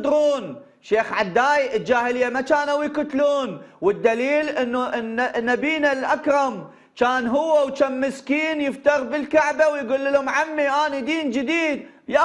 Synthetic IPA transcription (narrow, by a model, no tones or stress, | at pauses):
d̪ɾuːn | ʃeːxʕad̪ːaːjɪld͡ʒaːhɪlɪjːamat͡ʃaːnʔawikʊt̪luːnwɪd̪ːaliːlʔɪnːuʔnnːabiːnalʔakɾɑm | t͡ʃaːnɦʊwːawt͡ʃamːɪskiːnjɪft̪ɑɾˤbɪlkaʕbawjɡʊlːɪlhʊmʕamːiʔaːnid̪iːnd͡ʒɪd̪iːd̪ | ja